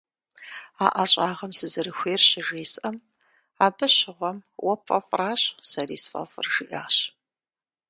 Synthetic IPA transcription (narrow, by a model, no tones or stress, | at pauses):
aːʔɐɕʼaːʁɐmsɨzɨɾɨxʷeːrɕɪʒeːsʔɐm | aːbɨɕɪʁʷɔmwɐpʰʼɐpʼraːɕsɐrḭːsfʼɐ̰fɨ̰rʒɨʔaːɕ